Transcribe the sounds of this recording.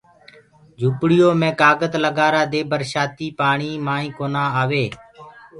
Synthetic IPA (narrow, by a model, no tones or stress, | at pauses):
d͡ʒʱupɽɪjoːmẽːkaːɡət̪ləɡaːɾaːd̪eːbəɾʃaːt̪iːpaːɳiːmaːĩːkoːnaːaːʋeː